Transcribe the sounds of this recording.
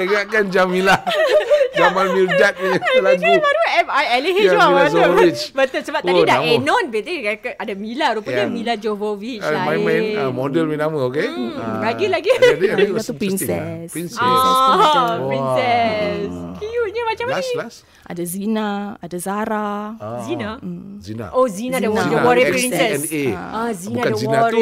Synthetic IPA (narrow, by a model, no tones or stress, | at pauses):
əŋaʔkand͡ʒamila | d͡ʒamanmildat̪̚əɲalaɡimaɾɛajɛliɦiailad͡ʒoit͡ʃbət̪ətsəbap̚t̪adidaɛnɔ̃nbet̪ikakaadamilaɾupaɲamilad͡ʒovovit͡ʃamajmãnamodəlminaməokelaɡilaɡidt̪upɾinsɛ̰spinsɛ | insɛskuɲamat͡ʃamailas | ʔa̰dazinaadazaɾazinãzina̰ozinãdadawɔɾipɾinsɛsɛneazinbaadazinaɾ